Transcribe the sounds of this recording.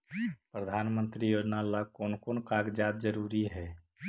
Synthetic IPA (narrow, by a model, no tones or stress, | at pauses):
pɾəd̪ʱanmənt̪ɾijod͡ʒnalakoːnkonkaɡd͡ʒad̪̚d͡ʒəɾuɾiɦɛ